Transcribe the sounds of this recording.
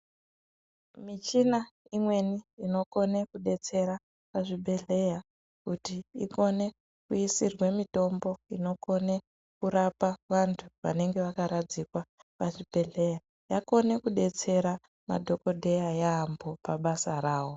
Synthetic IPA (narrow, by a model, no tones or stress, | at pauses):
mit͡ʃinaimwe̞niino̞ko̞ne̞kuɗe̞t͡se̞ɾa | paʐibʱe̞ɮe̞ja | kutiiko̞ne̞ | kuisirwemito̞mbo̞ino̞ko̞ne̞ | kuɾapaʋantʰuʋa̰ne̞ŋɡe̞ʋakaɾad͡zikwapaʐibʱe̞ɮe̞ja | jako̞ne̞kuɗe̞t͡se̞ɾa | ma̰dʱo̞ko̞dʱe̞jajaːmbo̞paɓasaɾaːwo̞